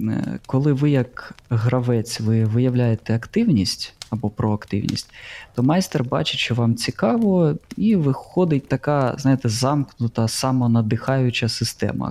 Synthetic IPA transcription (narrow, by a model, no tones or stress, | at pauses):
kɔlˠɪʋɪjɐkɦɾɐʋɛt͡sʲʋɪʋɪjɐwlʲajet̪ɛɐkt̪ɪwnʲisʲtʲɐbɔpɾɔɐkt̪ɪ̰wnʲḭsʲtʲt̪ɔmɑjst̪ɛrbɑ̰t͡ʃɪ̥tʲʃt͡ʃɔʋɑmt͡sʲikɑʋɔiʋɪxɔd̪ɪt̚ʲt̪ɐkɑznɑjɪt̪ɛzɑmknʊt̪ɐsɑmɔnɐd̪ɪxɑjʊt͡ʃɐsɪst̪ɛ̰mɐ̰